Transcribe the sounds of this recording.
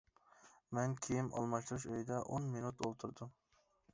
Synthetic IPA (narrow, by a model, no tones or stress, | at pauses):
mɛnkʲʰejimʔɑ̰lˠmɑʃt̪ɨɾuʃøjd̪ɛʔonmenut̪olˠt̪ʰuɾd̪um